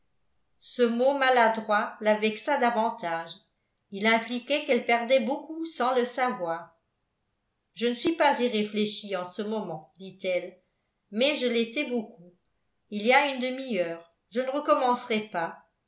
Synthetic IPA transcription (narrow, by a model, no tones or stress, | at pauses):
səmomalad̪ʁwalavɛksad̪avɑ̃t̪aʒ | ilɛ̃plikʲɛkɛlpɛʁd̪ɛbokusɑ̃ləsavwaːʁ | ʒənəsɥipaziʁefleʃiɑ̃səmɔmɑ̃d̪it̪ɛl | mɛʒəlet̪ɛboku | iliaynd̪əmiœːʁ | ʒənəʁəkɔmɑ̃sʁɛpa